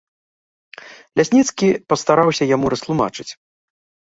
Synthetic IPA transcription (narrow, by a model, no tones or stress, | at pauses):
lʲasʲnʲit̪skʲipɐst̪aɾawsʲɐjamuɾɐst̪lˠuma̰t͡ʂɨt͡sʲ